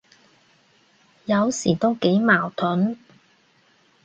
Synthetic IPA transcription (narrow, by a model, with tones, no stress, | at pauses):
jɐ˨˧wsiː˨˩t̪o˥wke˨˥jmaː˨˩wt̪ʰʊ˨˥n